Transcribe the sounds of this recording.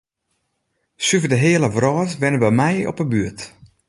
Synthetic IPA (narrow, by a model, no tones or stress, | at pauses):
syvədəɦeələvrɔːtʋɪnəbɛmɛjɔ̰pəbyət